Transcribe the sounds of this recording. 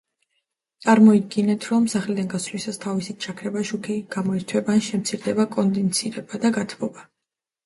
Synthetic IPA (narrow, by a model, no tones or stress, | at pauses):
t̪sʼaɾmɔid̪̚ɡinɛt̪ʰɾɔmsaχlid̪aŋɡasvlisast̪ʰavisit͡ʃʰakʰɾɛbaʃukʰiɡ̥amɔiɾt̪ʰwɛbanʃɛmt̪sʰiɾd̪ɛbakʼɔnd̪ɛnt̪sʰiɾɛbad̪aɡat̪ʰbɔba